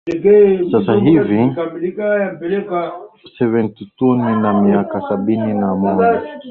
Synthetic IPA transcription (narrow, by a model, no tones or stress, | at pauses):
sasaɦivi | jam̩pɛlɛkasɛvɛntituninamiakasaɓininamɔd͡ʒaa